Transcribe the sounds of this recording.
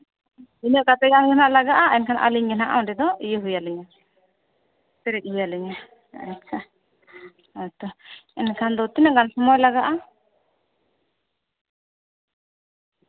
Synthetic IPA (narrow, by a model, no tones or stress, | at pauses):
inəʔkat̪ɛɡanɡɛnaʔlaɡaʔaɛnkʰanaʔa̰liɲɡɛnaʔa̰w̃ɖɛd̪ɔijəɦujaliɲa | pɛɾɛk̚ˀɦujaliɲa | at͡ʃʰa | at̪ɔɛnkʰand̪ɔt̪inaʔɡansɔmɔjlaɡaʔa